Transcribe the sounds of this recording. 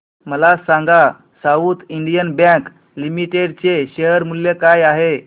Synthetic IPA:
məlasãŋɡa | saut̪iɳɖijənbãk | limiʈeɖ̚t͡ɕeɕeəɾmulːekajaɦe

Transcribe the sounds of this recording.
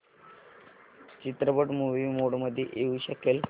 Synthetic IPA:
t͡ɕit̪ɾəpəʈmuʋimoɽməd̪ʱːeʔeuːɕəkel

